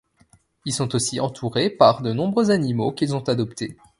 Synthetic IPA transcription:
ilsɔ̃t̪osiʔɑ̃t̪ʰuʁepaʁd̪ənɔ̃bʁøzanimokʲilzɔ̃t̪ad̪ɔpt̪ʰe

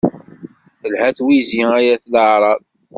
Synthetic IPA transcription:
θəlhæθwiziæjæθləʕɾˤɑð

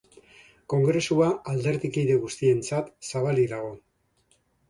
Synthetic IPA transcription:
ko̞ŋɡɾe̞suaald̪e̞ɾðikijðe̞ɣ̞ust̪ie̞nt͡sat̪saβ̞aliðaɣ̞o̞

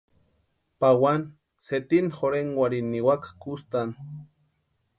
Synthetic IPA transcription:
pawan | set̪inxoɾeŋwaɾinːiwakakust̪an

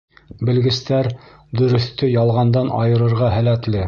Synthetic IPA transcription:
bɘ̆lɡɘ̆st̪æɾ | d̪ɵ̆ɾɵ̆θt̪ɵjɑlˠʁɑnd̪ɑnɑ̰jɤ̆ɾɤ̆ɾʁɑɦælæt̪lɘ

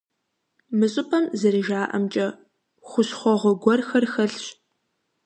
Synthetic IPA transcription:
mɨɕʼɪpʰɐmzɨɾɨʒaːʔɐ̰mt͡ʃʼɐ | χʷʊɕχʷɔʁʷɔɡʷɔrxɐrxɐɬɕ

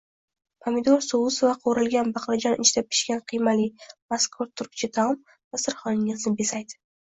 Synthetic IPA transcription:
pʰamɪd̪oɾsowʊsovaqʰoɾɪlɡʲanbɑqlad͡ʒɒnɪt͡ʃt̪ap̚kʰʲɪ̥ʃkʲanqʰijmalijmaskʰʊɾt̪ʰʊɾk̚ʲt͡ʃʰɪd̪ʰam | vasɪɾχɒnɪŋɪznɪbesajd̪ɪ̥

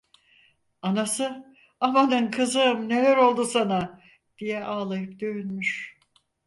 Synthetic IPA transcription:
anasɯ | amanɯnkʰɯzɯmne̞læɾo̞lˠd̪usana | d̪̥ijɛʔaːlˠajɯp̚d̪øynmyʃ

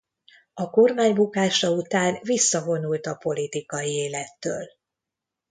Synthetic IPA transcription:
ɒko̞rmaːɲbukaːʃɒut̪aːnvisːɒvo̞nult̪ɒpo̞lit̪ikɒjieːlɛt̪ːø̰ːl

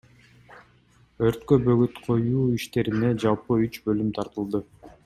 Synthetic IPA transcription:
ø̞ɾt̪købø̞ɡyt̪qʰo̞juːiʃt̪e̞ɾine̞d͡ʒɑlˠpɯyt͡ʃbø̞lymt̪ʰɑɾt̪ɯlˠd̪ɯ

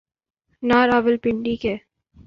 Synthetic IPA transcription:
naːɾaːʋəlpɪɳɖike

